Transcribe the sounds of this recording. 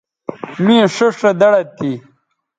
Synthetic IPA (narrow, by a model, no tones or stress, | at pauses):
mĩʂoʂɐd̪ɐɽɐt̪i